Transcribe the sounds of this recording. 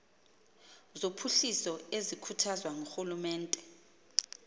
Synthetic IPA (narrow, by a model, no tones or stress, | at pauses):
zopʰuɬisɔezikʰutʰazwaŋuxulumɛːntʼɛ